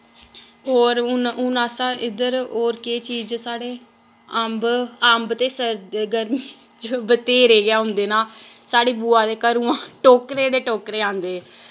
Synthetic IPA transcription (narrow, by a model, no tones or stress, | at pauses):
ɦoːɾʊnʊnaːsãːʔɪd̪əɾoːɾkeːt͡ʃiːzsaːɽeː | əmbəmbt̪eːsəɡəɾmiː | t͡ʃbət̪eːɾeːɡɪaːɦʊ̃nd̪eːnaː | saːɽeːbuːãːd̪eːkəɾũːãːʈoːkɾeːd̪eːʈoːkɾeːãːnd̪eː